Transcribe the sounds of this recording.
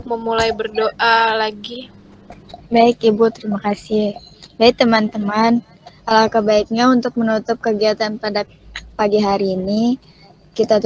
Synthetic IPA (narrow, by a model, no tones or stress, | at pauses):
məmulajbərdoʔalaɡi | baɪkibut̪əɾimakasibait̪əmant̪əman | alakabaik̚ɲaunt̪ʊk̚mənut̪ʊp̚kəɡiat̪anpada | paɡiɦaɾiːni | kit̪at̪